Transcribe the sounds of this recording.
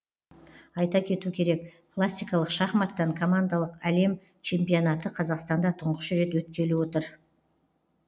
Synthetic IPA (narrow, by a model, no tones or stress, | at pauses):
ɑjt̪ɑkʲʰe̞t̪ukʲʰe̞ɾe̞kpʰlˠasʲːijkɑlˠəqʃɑχmɑt̪ːɑŋkʰo̞mand̪alˠəqæle̞m | t͡ʃʰe̞mpijo̞nɑt̪əqʰɑzɑqst̪ɑnd̪ɑt̪ʰʊɴʁəʃɾe̞t̪wɵt̪̚kʲe̞lewo̞t̪əɾ